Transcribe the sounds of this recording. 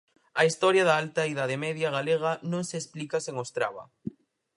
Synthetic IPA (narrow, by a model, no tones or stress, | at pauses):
ɐist̪ɔɾjɐðaalt̪aiðaðemɛðjaɣaleɣ̞anõŋseːsplikaseŋost̪ɾa̰βɐ̰